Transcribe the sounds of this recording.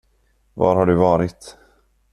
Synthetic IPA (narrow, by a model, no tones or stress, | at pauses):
vɑ̰ɾhaɖɵvɑːɾɪt̪